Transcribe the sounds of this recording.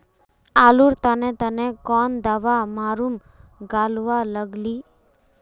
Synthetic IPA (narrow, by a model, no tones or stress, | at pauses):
aluɾt̪anet̪ənekɔːnd̪aʋamaːɾum | ɡaːlʋaləɡliː